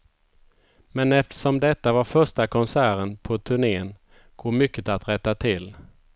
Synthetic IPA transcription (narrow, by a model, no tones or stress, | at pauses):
mɛnɛft̪ə̥ʂɔmd̪ɛt̪ːavaɾfœʂʈakʰɔnsæːɾənpʰɔt̪ʰɵɳeːən | ɡ̥oːmʏkːət̪at̪ɾɛt̪ːat̪ʰɪlː